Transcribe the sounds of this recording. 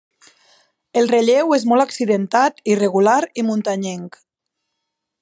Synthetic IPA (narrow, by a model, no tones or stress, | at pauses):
elˠreʎewezmɔlˠaksiðent̪at̪ireɣulaɾimunt̪aɲeŋk